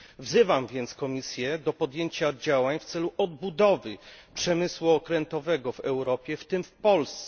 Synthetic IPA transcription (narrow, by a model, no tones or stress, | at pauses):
vzɘvamvʲjɛnt̪skɔmʲisʲjɛd̪ɔpɔd̪jeɲt͡ɕad͡ʑawaɲft̪sɛluʔɔd̪̚bud̪ɔvɘpʂɛmɘswuɔkɾɛnt̪ɔvɛɡɔvɛwɾɔpʲjɛft̪ɘmfpɔlst̪sɛ